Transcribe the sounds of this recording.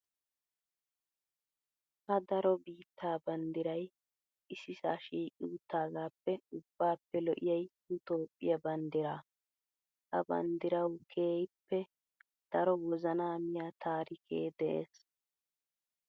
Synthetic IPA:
hɐd̪ɐɾɔbiːt̪ːaːbɐnd̪ɪɾɐj | ʔɪsɪsaːʃiːkʼuːt̪ːaːɡaːpːɛʊbːaːpːɛlɔʔɪjɐjhʊt̪o̞ːpʼːɪjɐbɐnd̪ɪɾaː | ʔɐbɐ̰nd̪ɪɾɐwkʰe̞ːjpːɛ | d̪̥ɐɾɔwɔzɐnaːmɪjaːt̪ʰaːɾɪkʰḛːd̪ɛʔḛːs

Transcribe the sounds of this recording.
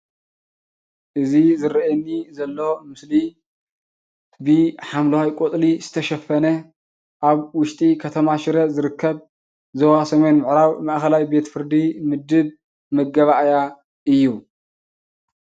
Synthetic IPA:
ʔɨzizɨɾɐʔɛnːizɐlːo̞mɨsli | bɨħamlɐwajkʷʼot̪ʼlizɨt̪ʰɐʃɐfːɐnɐ | ʔaβwʊʃt̪ʼikʰɐt̪ʰɐmaʃɪɾɐzɨɾɨkʰːɐβ | zɐwasɐme̞nmɨʕɾawmɐʔxɐlajbe̞t̪fɨɾd̪imɨd̪ɨβ | mɐɡɐβaʔja | ʔɨjːu

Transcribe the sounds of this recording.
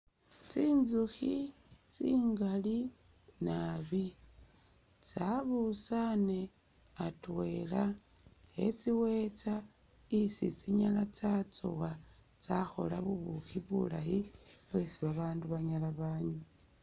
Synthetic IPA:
t͡siːnzuxit͡siːŋɡali | naβi | t͡saβusane̞ | atwe̞la | xe̞̰t͡siwet͡sa | isit͡siɲalat͡sat͡so̰wa | t͡saxo̞̰laβuβuxiβṵlajiβwe̞siβaβaːnduβaɲalaβaːɲu

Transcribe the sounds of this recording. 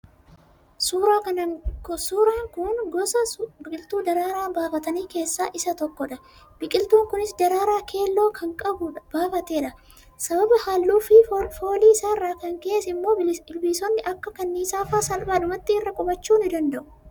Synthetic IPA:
suːɾaːkɐnɐsuːɾaːŋkʊnɡɔsɐbɪkʼɪlt̪uːd̪ɐɾaːɾaːbaːfɐt̪ɐniːke̞ːsːaːʔɪsɐt̪ɔkːɔᶑɐ | bɪkʼɪlt̪uːŋkʊnɪsd̪ɐɾaːɾaːkʰe̞ːlːo̞ːkʰɐŋkʼɐbʊb̥aːfɐt̪e̞ːᶑɐ | sɐbɐbɐhaːlːuːfɪfo̞ːliːsaːrːaːkɐŋke̞ːsɪmːo̞ːɪlbiːsɔnːɪʔɐkːɐkɐnːiːsaːfaːsɐlbaːᶑʊmɐt̪ːɪɪrːɐkʼʊbɐt͡ʃːuːnɪd̪ɐnd̪ɐʔʊ̥

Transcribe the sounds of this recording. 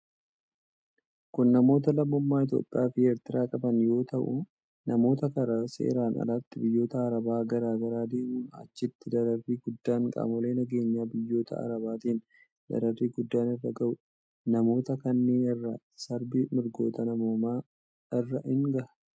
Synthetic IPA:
kʊnːɐmo̞ːt̪̬ɐlɐmːɔmːaːɪt̪̬jo̰ːpʼɪjʔaːfɪeːɾt̪ɪɾaːkʼɐbɐnjo̞ːt̪ɐʔʊ | nɐmo̞ːt̪ɐkɐɾasḛːɾaːnɐ̰laːt̪ːɪbɪjːo̞ːt̪ɐːɾɐbaːɡɐɾaːɡɐɾaːd̪e̞ːmuːnɐ̰t͡ʃːɪt̪ːɪd̪ɐɾɐrːiːɡʊd̪ːaːŋkʼa̰ːmɔle̞ːnɐɡe̞ːɲːaːbɪjːo̞ːt̪ʰɐ̰ɐ̰ɾɐbaːt̪iːn | d̪ɐ̰ɾɐrːiːɡʊd̪ːaːnɪrːɐɡɐʔʊ | nɐmo̞ːt̪ɐkɐnːeːnɪrːɐ | sɐɾbɪmɪɾɡo̞ːt̪ɐnɐmo̞ːmaː | ɪrːɐʔɪŋɡɐʔɐ̥

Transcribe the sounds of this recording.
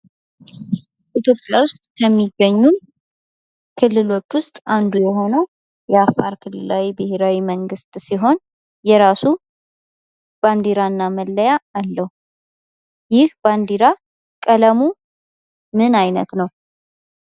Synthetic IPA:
ʔit̪ʰjo̞pʼːjawʊst̪ʼkʰəmːiɡːəɲːun | kʰɨlːɨlo̞t͡ʃːwʊst̪ʼand̪ujɛɦo̞nəw | jɛafːaɾkʰɨlːɨlawibɨheɾawiməŋɡɨst̪ʼsiɦo̞n | jɛɾasu | b̥and̪iɾanːaməlːəjaːlːəhu | jɪhband̪iɾa | kʼələmu | mɨnajnə̰t̪nəw

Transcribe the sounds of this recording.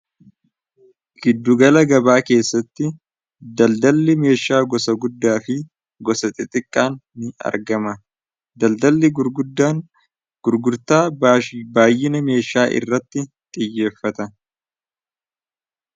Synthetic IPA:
ɡ̥ɪd̪ːʊɡɐlɐɡɐbaːke̞ːsːɐt̪ːɪ | d̪ɐld̪ɐlːɪme̞ːʃaːɡɔsɐɡʊd̪ːaːfɪ | ɡɔsɐt̪ʼɪt̪ʼɪkʼːaːnːɪɐ̰ɾɡɐmɐ | d̪ɐld̪ɐlːɪɡʊɾɡʊd̪aː | ɡʊɾɡʊɾt̪aːbaːjːɪnɐme̞ːʃaːʔɪ̰rːɐt̪ːɪ | t̪ʼɪjːe̞ːfːɐt̪ɐ

